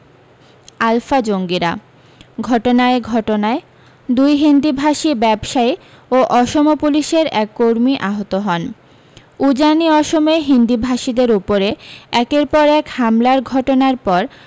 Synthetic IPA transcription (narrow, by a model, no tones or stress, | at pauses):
alfad͡ʑoŋɡiɾa | ɡʱɔʈonaeɡʱɔʈonae | d̪ujɦind̪ibʱaʃibɛbʃai | oʔɔʃomopuliʃeɾɛkːoɾmiʔaɦot̪oɦɔn | ud͡ʑaniɔʃomeɦind̪ibʱaʃid̪eɾupoɾeɛkeɾpɔɾɛkhamlaɾɡʱɔʈonaɾpɔɾ